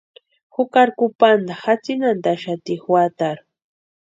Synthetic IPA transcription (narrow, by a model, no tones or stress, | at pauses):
xʊkaɾkʊpand̪axat͡sinand̪aʃat̪ixwat̪aɾ